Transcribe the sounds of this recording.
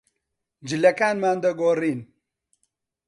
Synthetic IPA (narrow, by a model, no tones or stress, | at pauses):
d͡ʒɨlɐkaːnmaːnd̪ɐɡoːriːn